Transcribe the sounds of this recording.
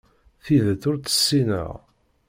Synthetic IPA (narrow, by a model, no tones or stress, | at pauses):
θiðəθʊɾt͡sə̥sːinə̰ʁ